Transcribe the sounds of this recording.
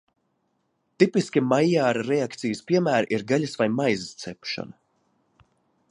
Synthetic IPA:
t̪ipiskʲimajaːɾaɾɛakt̪sijɨspiɛmæːɾʔiɾɡalʲasvajmajzst̪sɛpʃɔ̰nɐ

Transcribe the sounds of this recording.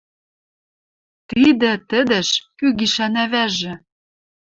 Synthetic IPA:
t̪id̪ɘ̆t̪ɘ̆d̪ɘ̆ʃkyɣiʃænæβæʒɘ̆

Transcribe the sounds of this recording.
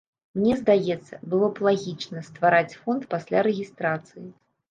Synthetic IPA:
mnʲɛzd̪ajɛt̪sːɐbɨlˠɔplˠaɣʲit͡ʂnɐst̪vaɾat͡sʲfɔnt̪pasʲlʲaɾɛɣʲist̪ɾat̪sɨji

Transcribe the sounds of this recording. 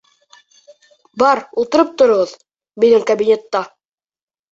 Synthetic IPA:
bɑɾulˠt̪ɤ̆ɾɤp̚t̪ŏɾŏʁɤð | bɘ̆nɘŋkabʲinʲet̪ːɑ

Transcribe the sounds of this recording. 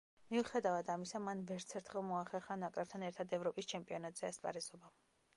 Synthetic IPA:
miuχɛd̪avad̪amisamanvɛɾt̪sʰɛɾt̪ʰχɛlˠmɔaχɛχanakʼɾɛp̚t̪ʰanɛɾt̪ʰad̪ɛvɾɔpʼist͡ʃʰɛmpʼiɔnat̪ʼz̥ɛaspʼa̰ɾɛzɔba

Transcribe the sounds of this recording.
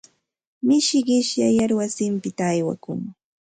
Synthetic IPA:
mɪʃɢɪʃjajaɾwasɪmpɪt̪aːjwa̰kʊŋ

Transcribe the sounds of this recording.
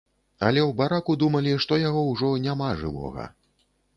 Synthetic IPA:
ɐlʲɛwbaɾakud̪umɐlʲiʂt̪ɔjaɣɔwʐɔnʲamaʐɨ̰vɔ̰ɣɐ̰

